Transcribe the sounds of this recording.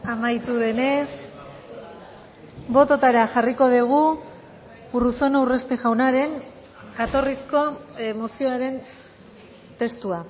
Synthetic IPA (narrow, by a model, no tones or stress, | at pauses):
amajt̪uðe̞ne̞s | bo̞t̪o̞t̪aɾaʝariko̞ð̞iɣ̞u | uruso̞newre̞st̪eʝawnaɾe̞ŋ | ɡat̪o̞risko̞mosio̞aɾe̞n | t̪e̞st̪ua